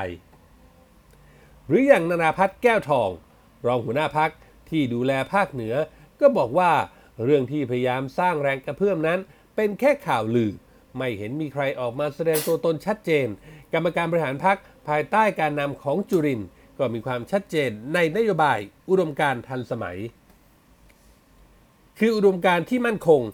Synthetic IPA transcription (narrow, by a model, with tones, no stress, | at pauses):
j | ɾɯː˩˦ja˨˩ŋnaː˧naː˧pʰa˦˥t̪̚kɛː˥˩wt̪ʰɔː˧ŋ | ɾɔː˧ŋhu˩˦ənaː˥˩pʰa˦˥k̚ | t̪ʰiː˥˩duː˧lɛː˧pʰaː˥˩k̚nɯ˩˦ɐ | kɔː˥˩bɔː˨˩k̚waː˥˩ | ɾɯ˥˩əŋt̪ʰiː˥˩pʰa˧ja˧jaː˧msaː˥˩ŋɾɛː˧ŋka˧pʰɯ˥˩əmna˦˥n | pe˧nkʰɛː˥˩kʰaː˨˩wlɯː˨˩ | ma˥˩jhe˩˦nmiː˧kʰɾa˧jʔɔː˨˩k̚maː˧sa˧dɛː˧ŋt̪u˧ɐt̪o˧nt͡ɕʰa˦˥t̪̚t͡ɕeː˧nka˧mːa˧kaː˧nbɔ˧ɾi˥˩ɦaː˩˦npʰa˦˥k̚ | pʰaː˧jt̪aː˥˩jkaː˧nːa˧mkʰɔː˩˦ŋt͡ɕuː˧ɾi˧n | kɔː˥˩miː˧kʰwaː˧mt͡ɕʰa˦˥t̪̚t͡ɕeː˧nːa˧jna˦˥joː˧baː˧jʔu˧do˧mkaː˧nt̪ʰa˧nsa˧ma̰˩˦j | kʰɯː˧ʔu˧do˧mkaː˧nt̪ʰiː˥˩ma˥˩nkʰo˧ŋ